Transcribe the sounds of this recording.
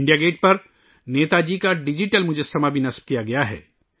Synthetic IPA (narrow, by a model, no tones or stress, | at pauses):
ɳɖijaɡeːʈ̚pɐɾ | neːt̪ad͡ʒiːkaɖɪd͡ʒiʈəlmʊd͡ʒʱesɐmabʱinɐsb̚kijaɡɐjaɦɛ̰ː